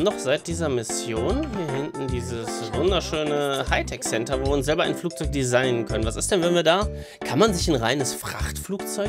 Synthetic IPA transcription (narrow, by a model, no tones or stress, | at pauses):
nɔχz̥aɪt̚d̥iːzɐmɪsjoːnviːɐɦɪntn̩diːzəsvʊndɐʃøːnəhaɪtʰɛksɛntɐvoːviɐʊnszɛlbɐʔa̰ɪnfluːk̚t͡sɔʏk̚d̥izaɪnənkʰœnənvasɪst̚d̥ɛnvɛnviːɐdaː | kʰanmanzɪçanʁaɪnəsfʁ̥a̰χtfluːkt͡sɔʏ